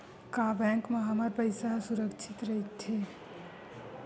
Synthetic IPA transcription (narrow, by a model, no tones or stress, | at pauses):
kabɛ̃ŋkmɐɦamaɾpəɪsasuɾəkt͡ʃʰɪt̪ɾɐɦit̪ʰeː